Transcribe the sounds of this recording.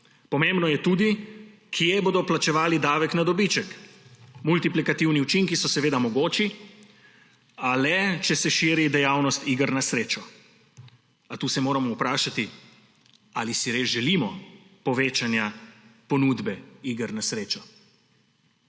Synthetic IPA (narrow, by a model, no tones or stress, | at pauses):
pɔmembnɔjɛt̪uːd̪ikʰjeboːd̪ɔplat͡ʃɛʋaːlid̪aːʋɛknad̪ɔbit͡ʃɛk | mult̪iplikat̪iwniut͡ʃiŋkisɔsɛʋeːd̪amɔɡoːt͡ʃi | alɛt͡ʃɛsɛʃiːɾid̪ɛjaːwnɔst̪iɡəɾnasɾeːt͡ʃɔ | at̪uːsɛmoːɾamɔupɾaːʃat̪i | alisiɾeːzʒɛliːmɔpɔʋeːt͡ʃanjapɔnuːd̪bɛiɡəɾnasɾeːt͡ʃɔ